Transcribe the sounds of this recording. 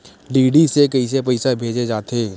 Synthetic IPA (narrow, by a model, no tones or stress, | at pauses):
ɖiːɖisekɐis̬epɐɪsabʱeːd͡ʒed͡ʒaːt̪eː